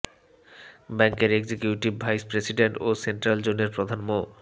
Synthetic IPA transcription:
bɛŋkeɾeɡd͡ʑekjuʈibːʱajspɾesiɖeɳʈoseɳʈɾald͡ʑoneɾpɾod̪ʱanmo

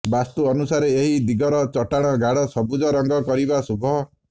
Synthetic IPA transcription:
bast̪uɔnusaɾeeɦid̪iɡʱɔɾɔt͡ʃɔʈaɽ̃ɔɡʱaɽɔsɔbud͡ʒɔɾɔŋɡɔkɔɾibasubʱɔ

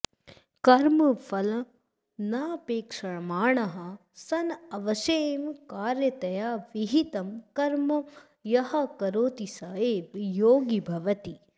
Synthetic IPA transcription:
kɐɾmɐfʰɐlɐ | naːpeːkʂɐɳmaːɳɐɦɐ | sɐnɐʋɐʃeːmkaːɾjɐt̪ɐjaːʋiɦit̪ɐmkɐɾmɐ | jɐɦɐkɐɾoːt̪isɐɦeːʋjoːɡibʱɐʋɐt̪i

